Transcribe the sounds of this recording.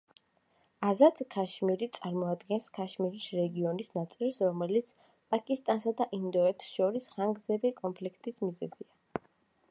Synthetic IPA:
azat̪ʰkʰaʃmiɾit̪sʼaɾmɔad̪ɡɛnskʰaʃmiɾisɾɛɡiɔnisnat̪sʼilˠsɾɔmɛlit̪sʰ | pʼakʼist̪ʼansad̪aʔind̪ɔɛt̪ʰsʃɔɾisχaŋɡzɛbikʼɔmpʰlikʰt̪ʼismizɛ̰zia

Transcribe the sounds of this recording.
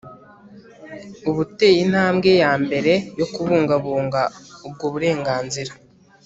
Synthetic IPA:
uβute̞jin̥haːmɡe̞jaːmbe̞ɾe̞jo̞kuβuːŋɡaβuːŋɡaub̚ɡoβuɾe̞ːŋɡaːnziɾa

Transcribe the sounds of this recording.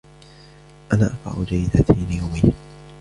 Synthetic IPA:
ʔanaːʔafa̰ʕʊd͡ʒajɪd̪ailɪjawmih

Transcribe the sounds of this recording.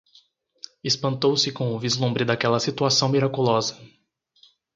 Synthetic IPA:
espɐ̃nt̪owsɪkõw̃ʊvizlũmbɾɪd̪akɛlɐsit̪uasɐ̃w̃miɾakulɔzɐ

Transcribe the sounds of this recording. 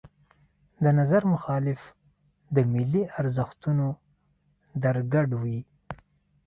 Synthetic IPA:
d̪ənazaɾmʊxɑlɪf | d̪əmɪlːiaɾzəxt̪uno | d̪aɾɡaɖwi

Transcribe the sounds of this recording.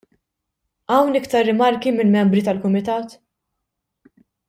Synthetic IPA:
ʔɐwnɪkt̪ɐɾːɪmɐɾkimɪlmɛmbɾit̪ɐlkʊmɪt̪ɐːt̪

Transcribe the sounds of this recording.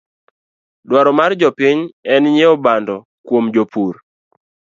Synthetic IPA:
dwaɾɔmard͡ʒɔpiɲɛnɲeɔbandɔ | kwomd͡ʒopʰuɾ

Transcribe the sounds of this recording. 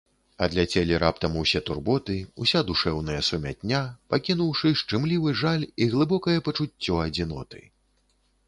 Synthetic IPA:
ɐd̪lʲat͡sʲɛlʲiɾap̚t̪ɐmusʲɛt̪urbɔt̪ɨusʲad̪uʂɛwn̪ɐjɐsumʲa̰t̪ʲnʲːapakʲinuwʂɨʂt͡ʂɨmlʲivɨʐalʲiɣlˠɨbɔkɐjɛpɐt͡ʂut͡sʲːɔɐd͡zʲin̪ɔ̰t̪ɨ̰

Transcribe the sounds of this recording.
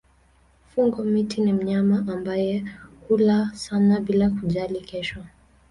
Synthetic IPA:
fuŋɡɔmitʰinim̩ɲamaʔambajɛkulasanaɓilakuʄalikɛʃɔ

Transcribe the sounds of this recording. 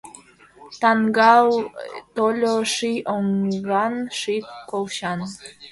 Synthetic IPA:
t̪ɑŋɡɑwt̪olʲoʃioŋɡɑnʃikolʃɑn

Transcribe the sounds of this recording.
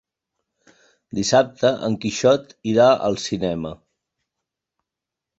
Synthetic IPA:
d̪isap̚t̪əʔəŋkiʃɔt̪iɾaə̰lˠsinɛmə

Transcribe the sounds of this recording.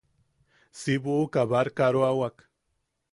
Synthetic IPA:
siβuːkaβaɾkaɾoawak

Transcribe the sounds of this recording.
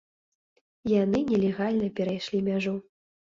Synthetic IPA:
janɨnʲɛlʲɛɣalʲnɐpʲɛɾajʂlʲimʲaʐu

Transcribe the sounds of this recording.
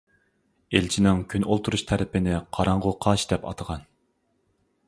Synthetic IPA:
elt͡ʃʰinɪŋkʲʰynolˠt̪ʰuɾuʃt̪ʰæɾɪpɪnɪqʰɑɾɑɴʁʊqʰɑʃd̪ɛpɑ̰t̪ʰəʁɑn

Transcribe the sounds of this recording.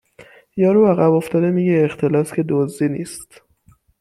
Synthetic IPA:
jɒːɾuæɣæboft̪ɒːd̪emiːɟeːxt̪ʰe̞lɒːscʰʲe̞d̪ozd̪iniːst̪

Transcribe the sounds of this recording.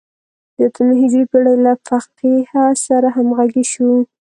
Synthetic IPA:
d̪ət̪ʰamɦɪd͡ʒipaɽalafaqehasaɾaɦamɣaɡeʃu

